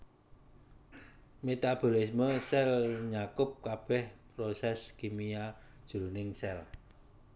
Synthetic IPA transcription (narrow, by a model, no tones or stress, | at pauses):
met̪ab̥o̤lisməsɛlɲakʊp̚kab̥ɛhpɾosɛskimiad̥ʒ̥ṳɾunɪŋsɛl